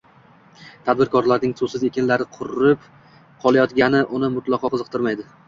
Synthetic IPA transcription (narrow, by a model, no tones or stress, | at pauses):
t̪ʰad̪̚bɪɾkʰɒɾlaɾnɪŋsʊsɪze̞kʲɪnlaɾɪqʰʊɾɪp | qʰɒlˠajɒt̪ɡʲanɪʔʊnɪmʊt̪lˠɑqʰɒqʰɨzɨq̚t̪ʰɪɾmajd̪ɪ